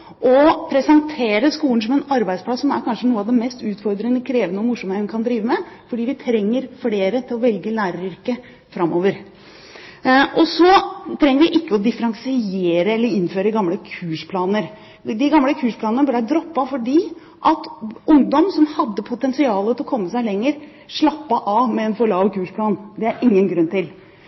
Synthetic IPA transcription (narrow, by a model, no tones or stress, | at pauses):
ʔɔpʰɾɛsɛnt̪ʰeːɾəskuːlən̩sɔmɛnɑɾbæɪspʰlɑsːɔmæ̰ɾkʰɑnʂənuːəɑʋd̪ɛmɛst̪ʉːt̪fɔɾd̪ɾənəkʰɾeːʋənəɔmʊʂɔmɛnkʰɑnd̪ɾiːʋəmɛfɔɖiːʋɪt̪ʰɾɛŋːəɾfleːɾət̪ʰɪlɔʋɛlɡəlæːɾəɾʏɾkə | fɾɑmʔoːʋəɾ | ʔɔsɔt̪ʰɾɛŋːəɾʋɪʔɪkːəɔd̪ɪfəɾɑŋsɪeːɾəɛlːəɾɪnːføːɾəɡɑmləkʰʉːʂpʰlɑːnəɾ | d̪ɪɡɑmːləkʰʉːʂpʰlɑːnənəbɛɖæd̪ɾɔpːɑfɔɖiː | ʔɑt̪ʊŋd̪ɔmsɔmhɑd̪ːəpʰʊt̪ɛnsɪɑːlət̪ʰɪlɔkʰɔmːəsæɪlɛŋːəɾ | ʂɭɑpːɑʔɑmɛɛnfɔɭɑːʋkʰʉːʂpʰlɑːnd̪ɛæɾɪŋːənɡɾʉnːt̪ɪl